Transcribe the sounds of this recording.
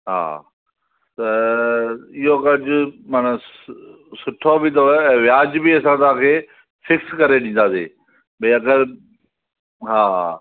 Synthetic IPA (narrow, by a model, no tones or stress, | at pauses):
ɦa̰ː | t̪ɐ | ɪɦokɐd͡ʑʱʊmana | sʊʈʰobɪt̪̬oɛ̃ːʋjaːd͡ʑbiɐsãt̪̬ãkʰeː | fɪkskɐɾeɗĩnd̪aːsḛː | bɐ̃ɐɡəɾ | ɦaːɦa